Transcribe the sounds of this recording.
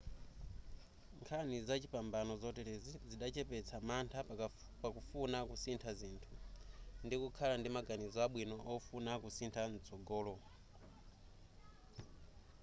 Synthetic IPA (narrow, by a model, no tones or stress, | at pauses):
ŋkʰanizat͡ʃipambanɔzɔtɛɾɛziziɗat͡ʃɛpɛt͡sʰamantʰa | pakufunakusintʰazintʰundikukʰalandimaɡanizɔaɓwinɔʔɔfunakusintʰan̩t͡sɔɡɔːlɔ